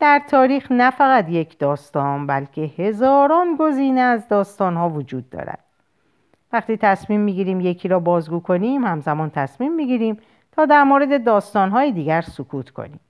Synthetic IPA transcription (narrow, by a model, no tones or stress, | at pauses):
d̪̥æɾt̪ʰɒːɾiːxnæfæɣæt̪je̞cʰd̪ɒːst̪ɒːnbælcʰe̞he̞zɒːɾɒːnɡo̞ziːneæzd̪ɒːst̪ɒːnɦɒːvod͡ʒuːd̪ːɒ̰ːɾæ̰d̪̥̚ | væχt̪iːt̪ʰæsmiːmːiːɟiːɾiːmje̞cʰiːɾɒːbɒːzɡuːkʰo̞niːmhæmzæmɒːnt̪ʰæsmiːmːiɡiːɾiːm | t̪ʰɒːd̪æɾmoɾe̞d̪e̞d̪ɒːst̪ɒːnɦɒːjed̪iːɟæɾsokʰuːt̪ʰkʰo̞̰nḭːm